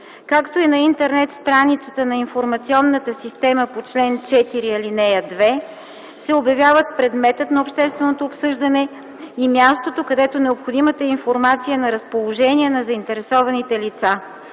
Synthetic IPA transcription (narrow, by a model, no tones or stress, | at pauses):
kakt̪oinɐint̪ɛɾnɛt̪st̪ɾanit̪sə̥t̪ənɐinfoɾmɐt̪siɔnːət̪əsist̪ɛməpot͡ʃlɛnt͡ʃɛt̪iɾiɐlinɛjəd̪vɛ | sɛobjɐvʲjavət̪̚pɾɛd̪mɛt̪ət̪nɐopʃt̪ɛst̪vɛnot̪oːpsɤʒd̪ənɛ | imʲjast̪ot̪okɐd̪ɛt̪onɛopxod̪imət̪əinfoɾmat̪sijənɐɾəspolˠoʒɛniɛnɐzɐint̪ɛɾɛsɔvɐnit̪ɛlit̪sa